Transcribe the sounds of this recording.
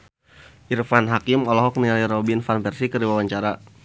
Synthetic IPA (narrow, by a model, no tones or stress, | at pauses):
ʔirfanɦakimɔlɔɦɔk̚nialiɾɔbinfanpɛrsikəɾdiwawaɲt͡ʃaɾa